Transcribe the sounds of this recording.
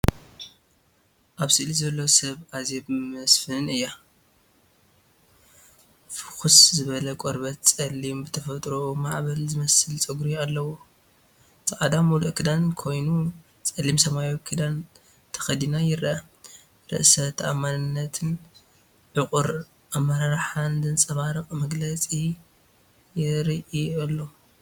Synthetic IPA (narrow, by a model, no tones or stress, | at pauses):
ʔaβsɨʔlizɐlːɐsɐβʔazebɨmɐsfɨnɨjːa | fɨxuszɨβɐlɐkʼoɾbɐt̪̚t͡sʼɐlːimbɨt̪ʰɐfɐt̪ʼɾomaʕβɐlzɨmɐsɨlt͡sʼɨɡɾialːɐwu | t͡sʼɐʔad̪amuluʔkʰɨd̪ankʰo̞jnu | t͡sʼɐlːimsɐmajokʰɨd̪an | t̪ʰɐ̥xɐd̪inajɪrɐa | ɾɨ̰ʔsɐt̪ʰʔa̰manɨnːɐt̪ʰɨn | ʕɨkʼɨɾ | ʔamːɐɾaɾaħand̪ɨnt͡sʼɐβaɾɨxʼmɐɡlɐt͡sʼi | jɪɾiʔialːo